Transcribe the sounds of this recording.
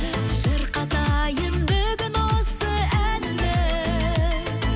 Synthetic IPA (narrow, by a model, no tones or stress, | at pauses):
ʃəɾqɑt̪ɑjənbɵɡʲɪnosəælːɪ